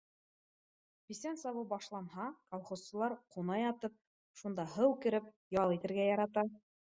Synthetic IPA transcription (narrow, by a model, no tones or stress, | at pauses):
pisænsɑβɤbɑʃlˠɑnɦɑkolˠχossɤ̆lˠɑɾqunɑjɑt̪ɤp̚ | ʃund̪ɑɦɤwkɘ̆ɾɘp̚ | jɑlˠit̪ɘ̆ɾɡæjɑɾɑt̪ɑ